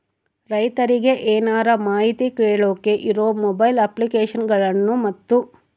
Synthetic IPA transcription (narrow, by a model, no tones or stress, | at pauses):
ɾɐjt̪ɐɾiɡe̞ʔeːnaːɾɐmaːɦit̪ikeːɭoːkeʔiɾoːmɔbɐjlɐplikeːʂɐnɡɐɭɐnːumɐt̪ːu